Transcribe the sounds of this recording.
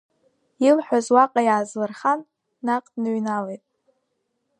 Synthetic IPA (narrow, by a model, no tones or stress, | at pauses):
ilħʷᶣazwaqʼajaːzlɨrχanː | aqʼdnɨɥnalejtʼ